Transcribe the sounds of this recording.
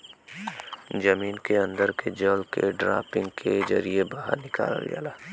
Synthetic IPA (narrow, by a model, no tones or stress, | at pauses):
d͡ʒɐmiːnkeɐ̃nd̪əɾked͡ʒəlkeɖɾa̰ːpɪ̃ŋɡkʰed͡ʒɐɾiebaɦə̰ɾnɪka̰ːlə̰ld͡ʒa̰ːlaː